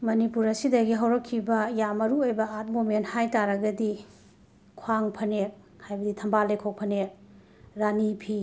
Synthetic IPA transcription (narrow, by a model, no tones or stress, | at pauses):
mɐnipuɾɐsidɐɡiɦɐwɾɐkʰːibɐjamɐɾuojbɐat̚momenthajtaɾɐɡɐdi | kʰwaŋpʰɐnek̚ | hajbɐditʰɐmbalekʰok̚pʰɐnek̚ | ɾanipʰi